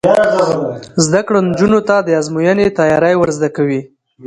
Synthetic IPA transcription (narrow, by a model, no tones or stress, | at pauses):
zd̪akɽond͡ʒunot̪ad̪əazmujənet̪ɑjɑɾajwəɾzd̪akawi